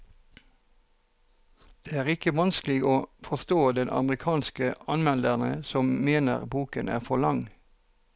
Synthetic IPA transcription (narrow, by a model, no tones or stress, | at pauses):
d̪̥eːæːʁɪkəʋɑnsklɪɡoːfɔst̪oːd̪ɛnʔɑ̰məʁɪkʰɑːnskəɑnmɛnd̪ənəsɔmmeːnə̰ʁbuːkənæ̰ːʁfɔlɑŋ